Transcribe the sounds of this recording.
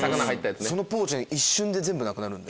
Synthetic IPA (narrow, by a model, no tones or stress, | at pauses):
sakanahait̪ːajat͡sɨsso̞no̞po̞ːt͡ɕĩɲiɕːɨ̃nd̪e̞zẽ̞mbɯnakɯ̟naɾɯ̟̃nd̪e